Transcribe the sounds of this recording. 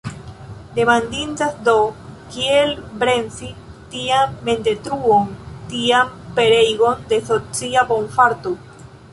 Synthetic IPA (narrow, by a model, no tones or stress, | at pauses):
d̪emãnd̪int̪asd̪okielbɾensit̪iamːẽnt̪et̪ɾuoŋt̪iampeɾejɣond̪eθot͡siaboɱfaɾt̪u